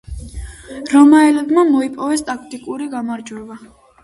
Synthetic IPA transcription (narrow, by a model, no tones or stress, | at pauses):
ɾɔmaɛlɛbmamɔipʼɔvɛst̪ʼakʰt̪ʼikʼuɾiɡamaɾd͡ʒwɛba